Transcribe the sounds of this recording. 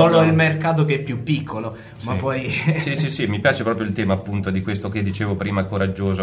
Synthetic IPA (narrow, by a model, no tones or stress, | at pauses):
oloilmerkaːt̪̬okeɛpːjupːikʰːolo | mapːɔjsisisimipjaːt͡ʃepɾɔːpɾjoilt̪ɛːmaːpːunt̪od̪ikwest̪oked̪ːit͡ʃeːvopɾiːmakoɾad͡ʒːoːzo